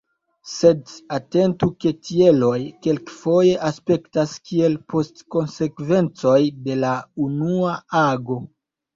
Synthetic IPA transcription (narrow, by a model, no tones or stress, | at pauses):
se̞date̞ntuke̞tʰie̞lo̞jke̞lkfo̞je̞ʔaspe̞ktaskie̞lpʰo̞stko̞nse̞kve̞nt͡so̞jde̞launuaaɡo̞